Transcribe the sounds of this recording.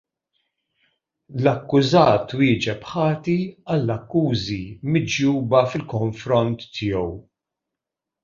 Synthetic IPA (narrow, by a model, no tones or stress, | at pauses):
lɐkːʊzɐːt̪ːwɪːd͡ʒɛpħɐːt̪iɐlːɐkːuːzimɪd͡ʒjuːbɐfɪlkɔɱfɾɔnt̪ːʰɪːjɔw